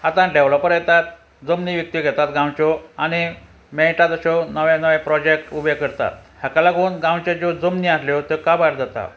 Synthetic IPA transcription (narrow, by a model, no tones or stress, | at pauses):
at̪ãɖeʋlɔpəɾjɛt̪at̪̚ | d͡zəmniːʋjək̚t̪iɡʱɛt̪at̪ɡãwt͡ɕɔañi | mẽʈad̪əɕɔnəʋãnəʋɛ̃pɾɔd͡ʑek̚ʈubekəɾt̪a̰t̪̚ɦjakalaɡʱoːnɡãwt͡ɕed͡ʑod͡zəmniasleot̪ekabaɾd͡z̪at̪a̰